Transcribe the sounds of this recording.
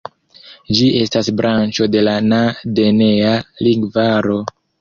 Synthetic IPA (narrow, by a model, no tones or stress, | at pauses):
d͡ʒie̞stasbɾant͡ʃo̞de̞lanade̞nealiŋɡvaɾo̞